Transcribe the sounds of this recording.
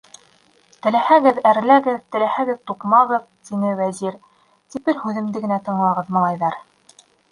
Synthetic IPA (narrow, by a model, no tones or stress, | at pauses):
t̪ɘ̆læhæɡɘðæɾlæɡɘðt̪ɘ̆læhæɡɘðt̪uqmɑʁɤð | t̪inɘwæziɾ | t̪ipɘɾhʉðɘ̆md̪ɘɡɘ̆næt̪ɤ̆ɴlˠɑʁɤðmɤ̆lˠɑjðɑɾ